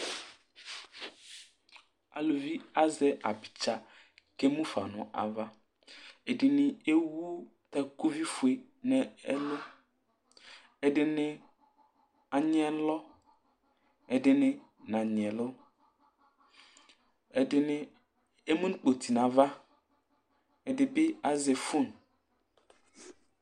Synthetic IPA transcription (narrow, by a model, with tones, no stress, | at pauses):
a̰˨lo˨vi˦a˦zɛ˦ʔa˨bi̥˨t͡ʃa˦ | ke˦mũ˦fa̰˨nʊ̰̃˨ʔa̰˨va˦ | e˨dɪ˨nɪ̃˨e˦wu˦ | t̪ɛ˦ku˦vi˦fu˨e˨ | nɛ˦ɛ˦lo˦ | ɛ˨dɪ˨nɪ̃˦ | a˨ɲ˦ɛ˨lɔ˦ | ɛ˨dɪ˨nɪ̃˦ | nã˨ɲ˨ɛ˨lʊ˦ | ɛ˨dɪ˨nɪ̃˦ | e˦mũ˦n˦k͡po˨t̪i˨nã˨va˦ | ɛ˨dɪ˨bɪ˦a˨ze˨fʊ˦˨n